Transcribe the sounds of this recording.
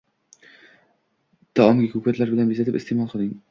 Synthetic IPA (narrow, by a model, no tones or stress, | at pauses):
d̪̥ɒɒmɡʲɪkʰukʲat̪laɾbɪlanbizat̪ɪpɪst̪ʰemɒlˠqʰɨld̪ɪŋ